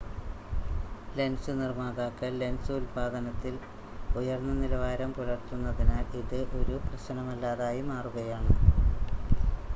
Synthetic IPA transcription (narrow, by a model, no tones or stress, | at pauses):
lensɨnirmaːɣaːkːɨlensuːlbʱaːðɐnɐt̪ːil | ujɐrnːɐnilɐʋaːɾɐmpolɐrt̪unːɐðinaːliðɨʔo̞ɾuprɐɕɐnɐmɐlːaːðaːjumaːruɣɐjaːɳɨ